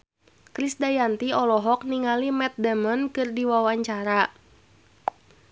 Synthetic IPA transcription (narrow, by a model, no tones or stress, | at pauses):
kɾisdajant̪iɔlɔɦɔk̚niŋalimɛt̪̚dɛmɔnkɨrdiwawaɲt͡ʃaɾa